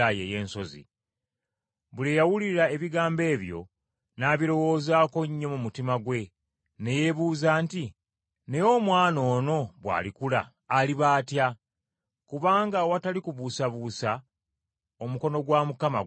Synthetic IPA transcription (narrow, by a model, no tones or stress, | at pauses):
aje̞je̞ːnso̞zḭ | βulejawuliɾae̞βiɡaːmbe̞ːβjo̞̰ | naːβiɾo̞wo̞ːzaːko̞ɲːo̞mumutimaɡwe̞ | ne̞je̞βuːzaːnti | ne̞jo̞mwaːno̞ːno̞βwa̰ːlikula̰ː | liβaːtja | kuβaːŋɡawatalikuβusaβuːsa | o̞muko̞no̞ɡwaːmukama̰